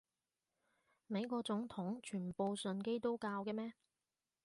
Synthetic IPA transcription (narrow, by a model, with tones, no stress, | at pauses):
me˨˧jkɔː˧k̚t͡sʊ˨˥ŋt̪ʰʊ˨˥ŋt͡ʃʰyː˨˩npo˨˧wsɵ˨nke˥jt̪o˥wkaː˧wkɛː˧mɛː˥